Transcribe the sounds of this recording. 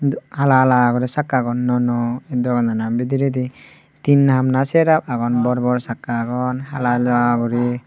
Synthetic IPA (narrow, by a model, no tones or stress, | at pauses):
halalaɡuɾisakːaɡɔnːɔnɔɛd̪ɔɡɔnanabid̪iɾid̪i | t̪inhamnasɛɾap̚aɡɔnbɔɾbɔɾsakːaɡɔnhalalaɡɔɾi